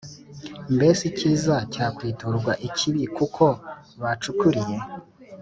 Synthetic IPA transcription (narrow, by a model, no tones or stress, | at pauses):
mbe̞siciːzacaːkwiːtoɾɡwaʔicʰiβikukʰo̞ | βat͡ʃukuɾije̞